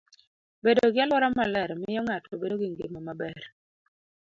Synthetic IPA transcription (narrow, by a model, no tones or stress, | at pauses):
bedoɡɪɛlɔɾamalɛɾmɪjɔŋatobedoɡiŋɡemamabɛr